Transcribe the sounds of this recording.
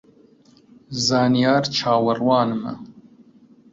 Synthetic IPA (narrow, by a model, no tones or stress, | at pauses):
zɑːnijɑːɾt͡ʃʰɑːwɐrwɑːnɨmɐ̰